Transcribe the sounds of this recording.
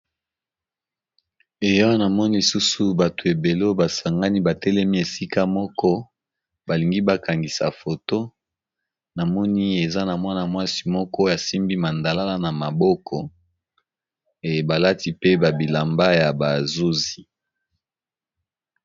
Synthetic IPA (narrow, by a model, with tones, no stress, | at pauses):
e˨jɔ˦na˨mɔ˦ni˦su˦su˦ba˨to˨e˨be˨lo˦ba˨sa˨ŋɡa˦ni˦ba˨tɛ˦lɛ˦mi˦e˨si˦ka˦mɔ˦kɔ˦ | ba˨li˨ŋɡi˦ba˦ka˨ŋɡi˨sa̰˨fo˨to˦ | na˨mɔ˦ni˦e˨za˦na˨mwa˦na˨mwa˦si̥˦mɔ˦kɔ˦ja˨si˦mbi˦ma˨nda˨la˦la˦na˨ma˨bɔ˦kʰɔ˨ | e˨ba˨la˦ti˦pe˦ba˨bi˨la˨mba˦ja˨ba˨zu˦zi˨